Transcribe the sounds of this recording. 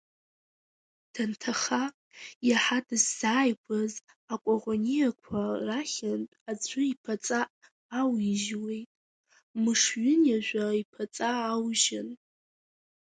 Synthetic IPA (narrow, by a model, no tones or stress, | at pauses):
d̥ʰantʰaχa | jaħadɨzːaːjkʷʰaz | akʷʼaʁʷonijakʷʰaraχʲantʼad͡zʷʊipʰat͡sʼaʔː | wiʒwe̞jtʼ | mɨʂɥʊnjaʒᶣʷaipʰat͡sʼaːwʒɪn